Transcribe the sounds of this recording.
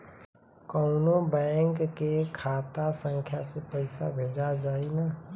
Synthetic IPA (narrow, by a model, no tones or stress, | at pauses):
kɔʊnobɛ̃ːŋkːekʰaːt̪asə̃ŋkʰjasepəɪsabʱeːd͡ʒad͡ʒaːinaː